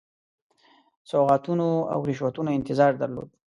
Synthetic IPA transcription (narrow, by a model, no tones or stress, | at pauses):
soɣɑt̪unoa̰wɾɪʃwat̪unoɪnt̪ɪzɑɾd̪aɾlo̰d̪̚